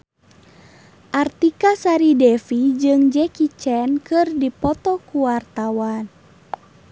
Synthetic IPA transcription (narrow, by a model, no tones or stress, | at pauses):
ʔart̪ikasaɾidɛfid͡ʒɨŋd͡ʒɛkit͡ʃɛnkɨrdipɔt̪ɔkuwart̪awan